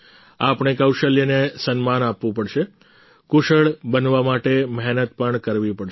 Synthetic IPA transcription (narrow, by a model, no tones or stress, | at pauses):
apɳ̃ekəwʃəljənesənmanapʋũpəɽʃe | kuʃəɭbənʋamaʈemɛɦnət̪̚pəɳkəɾʋipəɽʃ